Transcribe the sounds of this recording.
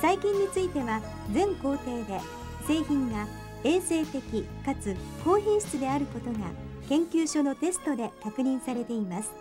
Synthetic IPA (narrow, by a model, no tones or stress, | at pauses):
saikʲĩɲ̟ʲːit͡sɨit̪e̞βa | d͡zẽ̞ŋko̞ːt̪e̞ːd̪e̞ | se̞ːçĩŋɡa | e̞ːse̞ːt̪e̞kʲikat͡sɨko̞ːçʲẽɕi̥t͡sɨd̪e̞aɾɯ̟ko̞t̪o̞ŋa̰kẽ̞ŋkʲɨːɕo̞no̞t̪e̞sɨ̥t̪o̞d̪e̞kakɯ̟ɲ̟ĩɰ̃saɾe̞t̪e̞imasɨ̥